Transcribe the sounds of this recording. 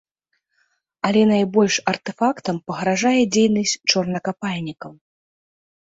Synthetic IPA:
ɐlʲɛnajbɔlʲʂɐrt̪ɛfakt̪ɐmpɐɣɾaʐajɛd͡zʲejnɐsʲt͡sʲt͡ʂɔrnɐkapalʲnʲikɐw

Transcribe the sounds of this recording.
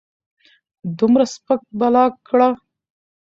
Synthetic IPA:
d̪umɾaspək̚balɑkɽa

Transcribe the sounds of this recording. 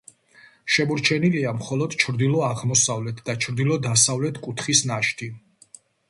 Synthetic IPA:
ʃɛmɔɾt͡ʃʰɛniliamχɔlɔd̪̥t͡ʃʰɾd̪ilˠɔaʁmɔsavlɛt̪ʰd̪at͡ʃʰɾd̪ilɔd̪asavlɛt̪ʰkʼut̪ʰχisnaʃt̪ʰi

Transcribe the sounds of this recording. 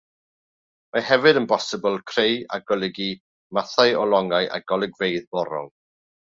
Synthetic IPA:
mahɛvɨdənbɔsɪbəlˠkʰreja̰ɡɔlˠɪɡi | maθaɨɔlˠɔŋaɨʔa̰ɡɔlˠɪɡvejðbɔɾɔ̰ŋ

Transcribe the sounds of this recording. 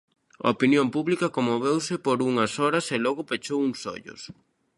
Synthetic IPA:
ɐ̰opinjompuβlikɐkomoβewsɪpoɾuŋɐsɔɾɐselɔɣʊpet͡ʃowuŋsɔ̰ʎʊ̰s

